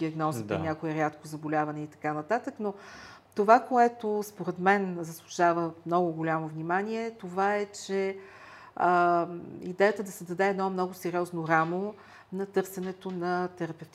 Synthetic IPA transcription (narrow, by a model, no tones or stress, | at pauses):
iɐɡnɔzip̪onʲakoɛɾʲjat̪kozɐbolʲavɐnɛit̪ɐ̥kanɐt̪at̪əkno | t̪ovakoɛt̪ospoɾɛt̪mɛnzəslˠʊʃavəmnɔɡʊɡolʲamovnʲimanʲiɛt̪ovaɛt͡ʃɛ | ə | ḭd̪ɛjət̪əd̪ɐsɛd̪ɐd̪ɛɛd̪nɔmnɔɡʊsɛɾʲiɔznoɾamo | nɐt̪ɤɾsɛnɛt̪onɐt̪ɛɾɐpɛft̪